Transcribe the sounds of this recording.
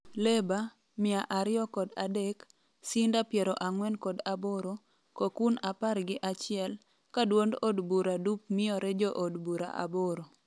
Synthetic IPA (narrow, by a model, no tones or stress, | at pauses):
lɛba | mɪaʔaɾɪɔkɔda̰dek | sindapjɛɾoʔaŋwɛnkɔdaboɾo | kokunaparɡɪʔat͡ʃɪɛl | kadwondodbuɾadup̚mɪɔɾɛd͡ʒɔʔodbuɾa̰ʔa̰boɾo